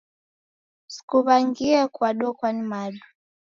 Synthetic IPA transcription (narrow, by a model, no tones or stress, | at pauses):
si̥kuβaŋɡiɛkwaɗɔkwanimalu